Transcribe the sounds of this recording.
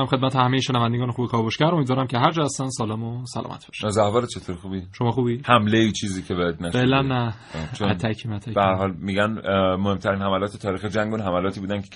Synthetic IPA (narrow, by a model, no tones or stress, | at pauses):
æmχed̪mæt̪ehæmejeʃenævænd̪eɡɒːnexuːbekʰɒːboʃkæɾʔo̞miːd̪vɒːɾæmcʰe̞ɦæɾd͡ʒɒːhæst̪ænsɒːlemosælɒ̰ːmæ̰t̪be̥ʃzæhvɒːɾet͡ʃʰet̪ʰoːɾxuːbiʃomɒːxuːbihæmleiːt͡ʃʰiːziːcʰebejɛd̪næʃeʔlænːæ | t͡ʃʰoæ̰t̪ʰæcʰimæt̪ʰæb̥ehæɾɦɒːlmiːɡænmohemt̪ʰæɾinhæmælɒːt̪ʰet̪ʰɒːɾiːxed͡ʒæŋɡunɦæmælɒːt̪ʰiːbuːd̪ænkʰe̥